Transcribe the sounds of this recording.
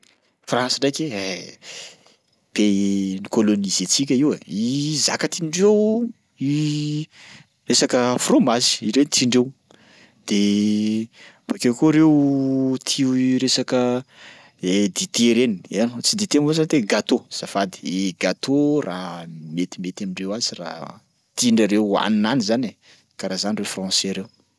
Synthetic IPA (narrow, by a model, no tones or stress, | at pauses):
frãnsiɖ͡ʐajkʲee | penikolonizet͡sikʲəiweiza̰kat̪iɳɖ͡ʐew | i | resakəfromazi̥iɾenit͡siɳɖ͡ʐew | d̪̥e | bakʲekoɾewt̪ʰiuɾesakə | ed̪it̪eɾeniant͡sid̪it̪emvozanit̪eɡat̪oz̥afad̪i̥eɡat̪ʰorʔamet̪imet̪amiɳɖ͡ʐewazira̰ | t̪iɳɖ͡ʐaɾewa̰ninanizane | kaɾazanirefrɔ̃seɾew